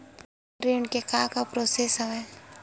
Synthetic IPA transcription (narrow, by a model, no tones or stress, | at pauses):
ɾiɳkekaːkapɾoːsesɐʋɛ